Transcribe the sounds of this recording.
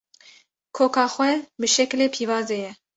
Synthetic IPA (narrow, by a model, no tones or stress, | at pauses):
kʰoːkʰɑːxwʷɛbɨʃɛkleːpʰiːvɑːzejɛ